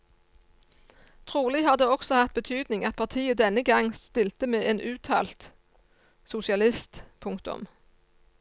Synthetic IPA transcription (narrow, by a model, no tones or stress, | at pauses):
t̪ʰʁuːlɪhɑːd̪eːɔksɔhɑʁt̪̚bət̪ʰyːd̪nɪŋɑt̪̚pʰɑʁt̪ʰiːəd̪ɛnəɡɑŋst̪ɪlt̪əmeːʔeːnʔʉːt̪ʰɑ̰ːlt̪ | sʊsɪɑlɪst̪pʰʊŋkt̪ʊ̰m